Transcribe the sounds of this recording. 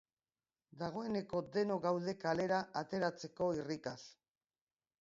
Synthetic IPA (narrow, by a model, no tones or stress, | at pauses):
d̪aɣ̞o̞e̞ne̞ko̞d̪e̞no̞ɣawð̞e̞kale̞ɾaʔat̪e̞ɾat͡se̞ko̞irikas